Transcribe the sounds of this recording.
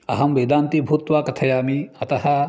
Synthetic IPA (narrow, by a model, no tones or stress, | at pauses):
ɐɦɐmʋɐːd̪aːnt̪ibʱuːt̪ʋaːkɐt̪ʰɐjaːmiɐt̪ɐɦɐ